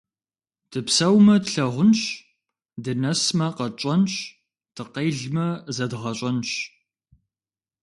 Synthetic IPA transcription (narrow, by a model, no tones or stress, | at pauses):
d̥ɨpsɐwmɐtɬɐʁʷʊnɕ | dɨnɐsmɐqɐt͡ʃʼɐnɕ | d̥ɨqejɮmɐzɐdʁɐɕʼɐnɕ